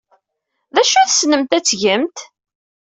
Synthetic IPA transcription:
ðæʃuθsnəmt̪æt͡sːʝəmt̪

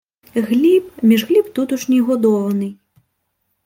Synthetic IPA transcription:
ɣlʲipmʲiʐɣlʲipt̪ut̪uʂnʲɛɣɔd̪ɔwɐnɨ

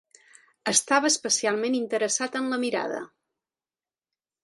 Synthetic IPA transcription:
əst̪aβəːspəsialˠmenint̪əɾəsat̪ənləmiɾa̰ðə̰

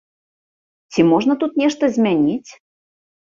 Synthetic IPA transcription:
tʲimoʐnət̪ut̪̚nʲeʃt̪əzʲmʲænʲitʲ

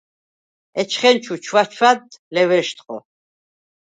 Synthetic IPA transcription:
ɛt͡ʃʰχɛnt͡ʃʰut͡ʃʰwat͡ʃʰwad̪lɛwɛʃt̪ʰʼqʼɔ̰

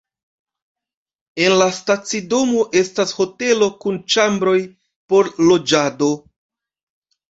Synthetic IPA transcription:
e̞nlastat͡sido̞mo̞ʔe̞stasho̞te̞lo̞kunt͡ʃambɾo̞j | po̞ɾlo̞d͡ʒado̞

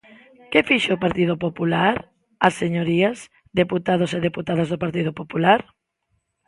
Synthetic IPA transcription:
kɪfiʃopaɾt̪ið̞opopulaɾ | aseɲoɾiɐs | ðeput̪aðoseðeput̪aðɐzðopaɾt̪ið̞opopulaɾ

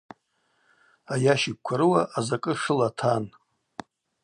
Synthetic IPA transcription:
ajaʃik̚ʷkʷʰaɾɨwaʔazakʼɨʂɨlatʰan

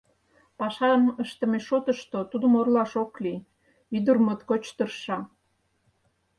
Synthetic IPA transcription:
pɑʃɑməʃt̪ə̆meʃot̪əʃt̪ot̪ud̪əmorlɑʃokli | yd̪ərmət̪kot͡ɕt̪ərʃɑ

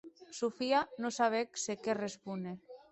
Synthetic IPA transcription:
sufianosaβ̞eksekerespune

